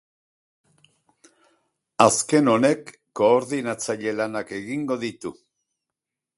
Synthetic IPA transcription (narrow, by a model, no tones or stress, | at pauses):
aske̞no̞ne̞kː | o̞ːɾðinat͡saʎe̞lanake̞ɣiŋɡo̞ðit̪u